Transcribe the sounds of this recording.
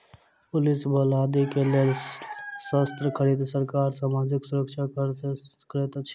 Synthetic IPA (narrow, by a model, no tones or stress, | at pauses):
pʊlisbəlaːd̪ikelel | səst̪ɾəkʰəɾid̪səɾkaːɾsaːmaːd͡ʒɪksʊɾəkʃʰa | kəɾet̪t͡ʃʰ